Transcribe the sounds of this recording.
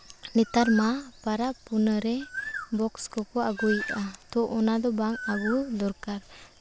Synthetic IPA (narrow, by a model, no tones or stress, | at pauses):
nitaɾmapaɾapunəɾebɔkskɔkɔaɡujatɔʔɔnadɔbaŋabudɔɾkaɾ